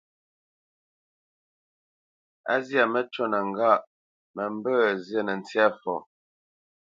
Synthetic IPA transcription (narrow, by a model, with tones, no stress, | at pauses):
a̰˦zja˨mə˦t͡ʃo˦nə˨ŋ˨ɡa˦˨ʔ | mə˨m˦bəː˦zjə˦˨nə˨n̩˨t͡sja˦fɔ˨